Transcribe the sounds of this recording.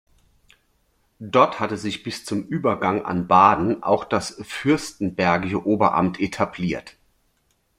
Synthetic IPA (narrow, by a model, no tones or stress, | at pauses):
d̥ɔɐthatəzɪçb̥ɪst͡sʊmʔyːbɐɡaŋʔa̰nbaːdn̩ʔa̰ʊxd̥asfʏɐstn̩bɛɐɡɪʃəʔoːbɐʔa̰mtʰʔetʰabliːɐt